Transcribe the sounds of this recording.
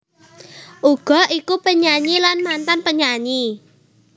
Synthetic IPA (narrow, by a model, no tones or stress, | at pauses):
ʔuɡ̥ɔ̤ikupəɲaɲilanmant̪anpəɲaɲi